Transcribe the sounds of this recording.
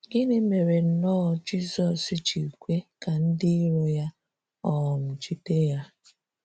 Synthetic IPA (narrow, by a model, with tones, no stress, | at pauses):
ɡɪ˦ne˦me˨ɾe˨n̩˨nɔ˦ɔ˨d͡ʒi˦sɔ˨si˦t͡ʃi˨kʷe˦ka˨n̩˦dɪ˦i˦ɾo˦ja˦ | ɔ˦ɦɔ˨m̩˨t͡ʃi˦te˦ja˦